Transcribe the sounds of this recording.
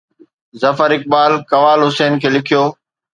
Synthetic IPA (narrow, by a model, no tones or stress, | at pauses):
zɐfəɾɪk̚baːlkɐʋaːlɦʊseːnkʰeːlɪkʰijoː